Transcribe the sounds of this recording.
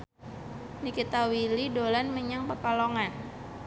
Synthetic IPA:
nikit̪awilidolanməɲaŋpəkaloŋan

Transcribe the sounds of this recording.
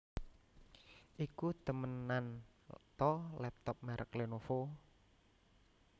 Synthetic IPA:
ʔikut̪əmənːant̪ɔlɛp̚t̪ɔp̚maɾʔə̰klenofo

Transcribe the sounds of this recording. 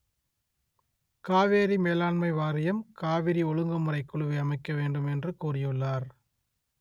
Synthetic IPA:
kaːʋeːɾimeːlaːɳmɐɪʋaːɾɪjɐmkaːʋɪɾiɔɻɯŋɡɐmɯrɐɪkːɯɭɯʋɯɐmɐɪkːɐʋeːɳɖɯmɛndrɯkuːrɪjɯɭːaːɾ

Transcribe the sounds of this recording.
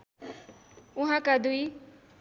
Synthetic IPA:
ʊɦãkad̪ui

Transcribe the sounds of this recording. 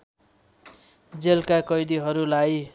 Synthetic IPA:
d͡zelkakʌjd̪iɦʌɾulaj

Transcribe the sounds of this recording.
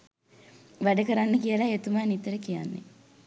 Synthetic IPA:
ʋæɖɐkɐɾanːɐkijəlaet̪umaːnit̪ɐɾəkija̰nːḛ

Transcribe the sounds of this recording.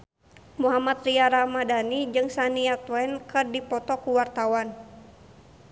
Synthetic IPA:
muɦamat̪̚riaɾamadanid͡ʒɨŋsaniat̪wɛnkɨrdipɔt̪ɔkuwart̪awan

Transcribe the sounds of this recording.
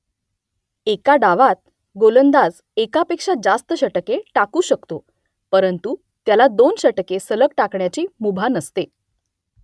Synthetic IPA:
ekaɖaʋat̪̚ | ɡolənd̪ad͡z | ekapekʂad͡zast̪əɕəʈəkeʈakuːɕəkt̪o | pəɾənt̪u | t̪jalad̪onɕəʈəkesələkʈakɳjat͡ɕiːmubʱanəst̪e

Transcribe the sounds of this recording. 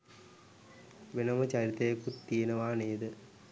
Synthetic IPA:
ʋenɐmɐt͡ɕɐɾit̪ɐjɐkːut̪ːijɐnɐʋaːneːd̪ɨ

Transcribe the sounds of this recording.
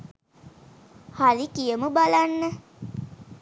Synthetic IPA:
halikijəməbalanːə

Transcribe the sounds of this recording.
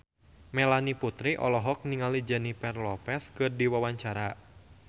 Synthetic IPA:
mɛlaniput̪ɾiʔɔ̰lɔɦɔk̚niŋalid͡ʒanipɛrlɔpɛskɨrdiwawaɲt͡ʃaɾa

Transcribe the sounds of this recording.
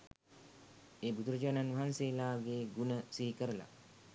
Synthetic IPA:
eːbud̪uɾəd͡ʒaːnanʋɐɦanseːlaːɡeɡunəsiɦikəɾəla̰

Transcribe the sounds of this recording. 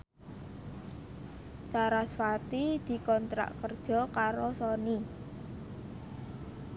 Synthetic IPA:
saɾasfat̪id̪̥i̤kɔnt̪ɾa̰ʔkərd̥ʒ̥ɔ̤kaɾosɔni

